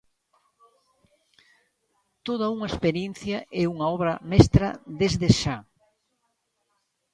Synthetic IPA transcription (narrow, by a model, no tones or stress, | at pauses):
t̪oð̞ɐuŋɐespeɾjen̟θjɐʔɛuŋɐɔβɾɐmɛst̪ɾɐ̰ðezðeʃa